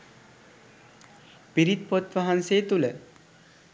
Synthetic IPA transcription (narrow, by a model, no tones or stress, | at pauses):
piɾit̪pot̪ʋɐɦanseːt̪ulə